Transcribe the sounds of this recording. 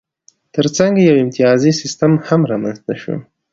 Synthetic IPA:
t̪əɾt͡saŋɡjawɪmt̪ɪjɑzisɪst̪əmhamɾɑmanznaʃṵ

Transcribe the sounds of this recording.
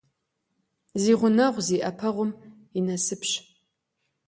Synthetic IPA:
ziːʁʷʊnɐʁʷziːʔɐpʰɐʁʷʊm | inɐsɨpɕ

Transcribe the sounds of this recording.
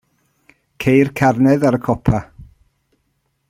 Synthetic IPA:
kʰejrkʰarnɛðaɾəkʰɔpʰa

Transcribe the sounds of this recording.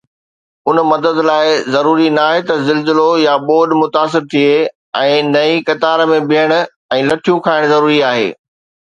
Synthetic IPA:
ʊnmɐd̪əd̪laːɪzɐɾuːɾinaːɦet̪ɐzɪlzɪlojaɓoːɗmʊt̪aːs̬ɪɾt̪ʰie | ɛ̃ːnɐikɐt̪aːɾəmẽbɪɦəɽ̃ʊ̆ | ɛ̃ːlɐʈʰijũkʰaːɪɽ̃zɐɾuːɾiaːɦḛː

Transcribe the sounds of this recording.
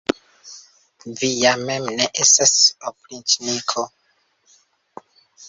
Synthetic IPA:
vijamemneʔestasoplĩntnikʰo

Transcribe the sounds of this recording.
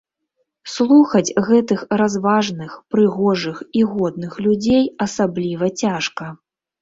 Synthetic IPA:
slˠuxɐd͡zʲɣɛt̪ɨxrazvaʐnɨxpɾɨɣɔʐɨxiɣɔd̪nɨxlʲud͡zʲejɐsablʲivɐt͡sʲaʂkɐ

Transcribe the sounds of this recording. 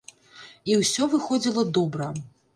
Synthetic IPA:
iwsʲɔvɨxɔd͡zʲilˠɐd̪ɔbɾɐ

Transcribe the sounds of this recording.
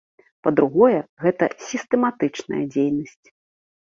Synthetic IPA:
pɐd̪ɾuɣɔjɛɣɛt̪ɐsʲist̪ɛmat̪ɨt͡ʂnɐ̰jɐ̰d͡zʲejnɐsʲt͡sʲ

